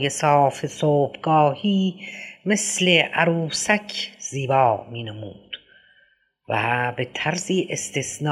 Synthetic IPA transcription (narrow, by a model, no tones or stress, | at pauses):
jesɑːfesoːbɡɒːhiːmesleʔæɾuːsækʰz̥iːbɒːmiːnemuːd̪̥ | væ̰bet̪ʰæɾziːʔest̪ʰesn